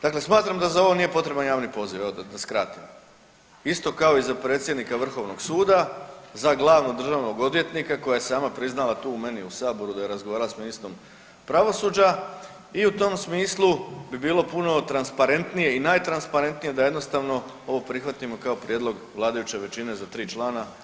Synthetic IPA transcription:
d̪̥akle̞smaːt̪ɾamd̪azao̞ʋo̞nije̞po̞t̪ɾe̞banjaːʋnipo̞ziʋed̪askɾat̪im | ist̪o̞kao̞izapɾe̞ːt̪sjed̪nikaʋr̩xo̞ʋnoɡsuːd̪azaɡlˠaːʋnod̪r̩ʒaːʋno̞ɡo̞d̪ʋje̞t̪nikako̞jajesaːmapɾiznalˠat̪uːume̞niusaːbo̞ɾud̪aje̞ɾazɡoaːɾalasminist̪ɾo̞m | pɾaʋo̞sud͡ʑa | iut̪o̞msmiːslˠubibiːlˠo̞puno̞t̪ɾanspaɾe̞nt̪nije̞inaːjt̪ɾanspaɾe̞nt̪nije̞d̪aje̞d̪no̞st̪aʋno̞ | o̞ʋo̞pɾixʋat̪imo̞kaopɾje̞d̪lˠo̞ɡʋlˠaːd̪ajut͡ɕe̞ʋe̞t͡ɕine̞zat̪ɾiːt͡ʃlˠaːna

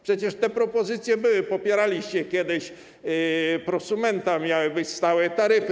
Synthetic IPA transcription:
pʂɛt͡ɕɛʂt̪ɛpɾɔpɔzɘt̪sʲjɛbɘwɘpɔpʲjɛɾalʲiɕt͡ɕɛkʲjɛd̪ɪɕ | pɾɔsumɛnt̪amʲjawɘbɘt͡ɕst̪awɛt̪aɾɘf

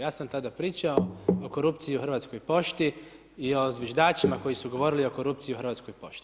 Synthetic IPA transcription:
jaːsamt̪ad̪apɾiːt͡ʃaooko̞ɾupt̪sijiuxɾr̩ʋaːt̪sko̞jpo̞ʃt̪i | io̞zʋʲeʒd̪aːt͡ʃimako̞jisuɡo̞ʋo̞ɾilio̞ko̞ɾup̚t̪sijiuxr̩ʋaːt̪sko̞jpo̞̰ʃt̪i̥

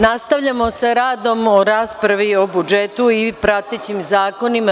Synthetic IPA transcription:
nast̪aʋʎamo̞saɾaːd̪o̞mo̞ɾaːspɾaʋio̞bud͡ʒet̪uipɾat̪et͡ɕimzaːko̞nima

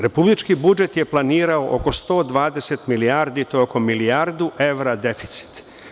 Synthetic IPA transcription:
ɾe̞publit͡ʃkibud͡ʒe̞t̪je̞plˠaniːɾaoʔo̰ko̞st̪o̞ːd̪ʋaːd̪e̞set̪milijaːɾd̪it̪ooko̞milijaɾd̪uʔe̞ʋɾad̪e̞fi̥t̪si̥t̪

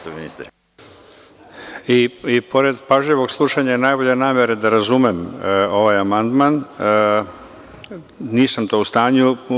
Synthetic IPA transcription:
sominist̪ɾ | iipʰo̞ɾe̞d̪paʒʎeʋo̞ɡslˠuʂaɲajenaːjbo̞ʎe̞naːme̞ɾed̪aɾazumemo̞ʋajamand̪man | niːsamt̪o̞ːust̪aːɲu

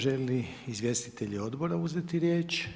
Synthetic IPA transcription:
ʒeli | izʋje̞st̪it̪eʎio̞d̪bo̞ɾauzet̪iɾjeːt͡ʃ

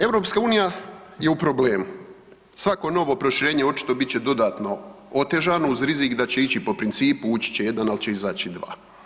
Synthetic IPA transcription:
e̞ʋɾo̞ːpskauːnija | je̞upɾo̞ble̞ːmu | sʋako̞no̞ʋo̞pɾo̞ʃiɾe̞ːɲe̞o̞t͡ʃi̥t̪o̞bit̪t͡ɕe̞d̪o̞d̪aːt̪no̞o̞t̪e̞ʒano̞uzɾizikd̪at͡ɕe̞it͡ɕipo̞pɾint̪siːpuut͡ɕi̥t͡ɕeje̞d̪analit͡ɕe̞izaːt͡ɕid̪ʋa̰ː

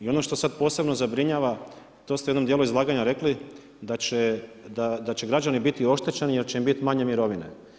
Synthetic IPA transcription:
io̞no̞ʃt̪o̞sad̪po̞ːse̞bno̞zabɾiɲaːʋa | t̪o̞ːst̪eed̪nod̪jeluizlˠaːɡaɲaɾe̞kli | d̪at͡ɕed̪ad̪at͡ɕe̞ɡɾad͡ʒanibit̪io̞ʃt̪et͡ɕenije̞ɾt͡ɕe̞imbit̪imaɲe̞miɾo̞ʋinḛ

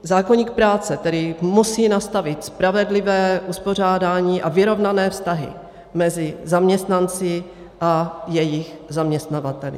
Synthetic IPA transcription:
zaːkoɲiːk̚pɾaːt͡sɛt̪ɛdɪmusiːnast̪avɪt̪spɾavɛdlɪvɛːʔuspo̞r̝aːdaːɲiːʔavɪɾo̞vnanɛːfst̪aɦɪ̰ | mɛzɪzamɲɛst̪nant͡sɪ | ʔajɛjɪxzamɲɛst̪navat̪ɛlɪ̰

